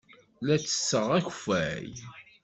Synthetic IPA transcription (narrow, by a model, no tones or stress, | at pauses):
læt͡sːə̥sːəʁæç̥fæj